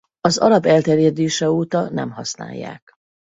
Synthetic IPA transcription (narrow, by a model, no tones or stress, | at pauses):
ɒzɒ̰lɒbɛlt̪ɛrjɛd̪eːʃɛoːt̪ɒnɛ̰mɦɒsna̰ːjːa̰ːk